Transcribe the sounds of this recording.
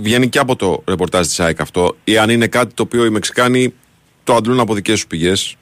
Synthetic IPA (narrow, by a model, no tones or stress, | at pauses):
vʝe̞niceɐpo̞t̪o̞ɾe̞po̞ɾt̪ɐzt̪i̥sɐjkɐft̪o̞eɐnine̞kɐt̪i̥t̪o̞ːpio̞ime̞ksi̥kɐni | t̪oɐnd̪lunɐpo̞ðice̞st̪u̥piʝe̞s